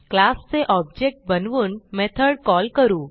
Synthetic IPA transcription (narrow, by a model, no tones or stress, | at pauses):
klast͡seʔɔb̚d͡ʑek̚ʈ̚bənʋuːnmɛt̪ʰəɽkɔlkəɾuː